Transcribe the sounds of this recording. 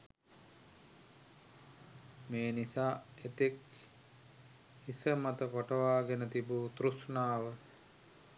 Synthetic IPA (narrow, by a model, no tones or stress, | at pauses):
meːnisaːet̪ek | isəmat̪əkoʈəʋaːɡenət̪ibut̪ɾusnaːʋə